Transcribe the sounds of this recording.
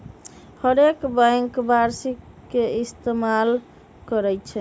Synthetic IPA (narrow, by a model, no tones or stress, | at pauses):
həɾekbaŋkbaɾsik | kːeist̪emal | kəɾɛjt͡ʃʰɛ